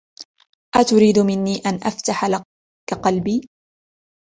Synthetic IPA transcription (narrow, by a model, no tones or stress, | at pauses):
ʔaːt̪ʊɾiːd̪mɪnːiːʔanʔaft̪aħa | kaqɑlbiː